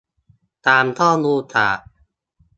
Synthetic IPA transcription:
t̪aː˧mt̪ʰɔː˥˩luː˧t̪ʰa̰ː˨˩

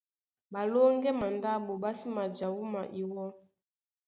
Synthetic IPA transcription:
ba˨lo˦ŋɡɛ˦ma˨nda˦bo˨ba˦si˦ma˨d͡ʒa˨wu˦ma˨ʔi˨wɔ˦

